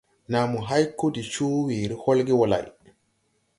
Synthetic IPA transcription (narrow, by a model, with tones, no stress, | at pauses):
na˨mːu˨ɦa˦jkːo˦di˨t͡ʃu˦wiː˨ɾi˦ho˦lɡi˦wɔ˨la̰˨j